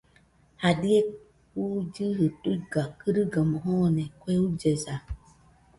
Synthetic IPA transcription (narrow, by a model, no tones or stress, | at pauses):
hadie | ud͡ʒiɦɨtuɡakɨɾiɡamɔɦɔnekʷeud͡ʒeza